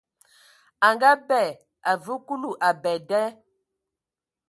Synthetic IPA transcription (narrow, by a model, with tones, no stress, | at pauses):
a˨ŋɡa˦bɛ˨ | a˨vu˦ku˦lu˨ʔa˨bɛ˨dɛ˦